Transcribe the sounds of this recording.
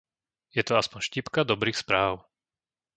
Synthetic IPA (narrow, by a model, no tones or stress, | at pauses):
jɛt̪ɔaspɔɲʃcipkad̪ɔbɾiːxspɾaːʊ